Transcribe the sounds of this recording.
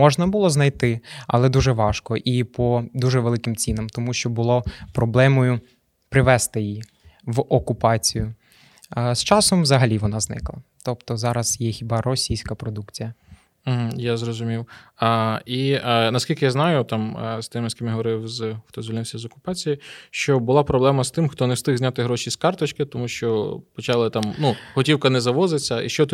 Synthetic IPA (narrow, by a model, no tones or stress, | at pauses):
mɔʒnɐbʊlˠɔznɐjt̪ɪɐ̰lˠɛd̪uʒɛʋɑʃkɔʔipɔd̪uʒɛʋelˠɪkɪmt͡sʲinɐmt̪ɔmuʃt͡ʃɔbʊlˠɔpɾɔblˠɛmɔjʊ | pɾɪʋɛst̪ɪji | ʋɔkʊpɑt͡sʲijʊ | st͡ʃɑsɔmʋzɐɦɐlʲiʋɔnɑznɪ̰klˠɐ̰t̪ɔpt̪ɔzɑɾɐzjɛxʲibɑrɔsʲijsʲkɐpɾɔd̪ukt͡sʲijɐ | m̩ɦ̩jazɾɔzʊmʲiw | inɐskʲilʲkɪjaznɑjʊt̪ɑmst̪ɪmɪskʲɪmjɦɔʋɔɾɪwzxt̪ɔzʋʲilʲnɪwsʲɐzɔkʊ̥pɑt͡sʲijiʃt͡ʃɔbʊlˠɑpɾɔblˠɛmɐst̪ɪmxt̪ɔnɛst̪ɪɣzʲnʲat̪ɪɦɾɔʃʲiskɑrt̪ɔt͡ʃkɪt̪ɔmuʃt͡ʃɔpɔt͡ʃɑlˠɪt̪ɑmnuhɔtʲiwkɐnɛzɐʋɔzɪt͡sʲːɐḭʃt͡ʃɔt̪